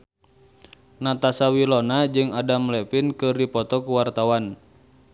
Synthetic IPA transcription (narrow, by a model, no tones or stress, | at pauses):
nat̪asawilɔnad͡ʒɨŋadamlɛpinkɨrdipɔt̪ɔkuwart̪awan